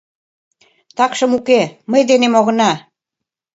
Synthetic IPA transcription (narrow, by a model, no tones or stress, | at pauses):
t̪ɑkʃɤ̆mukeməjd̪enemoɣɤ̆nɑ